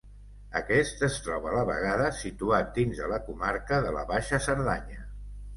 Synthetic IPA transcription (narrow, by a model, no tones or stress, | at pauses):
əkɛst̪əst̪ɾɔβələβə̰ɣ̞aðəsit̪uat̪̚d̪inzələkumaɾkəðələ̰βaʃəsəɾðaɲə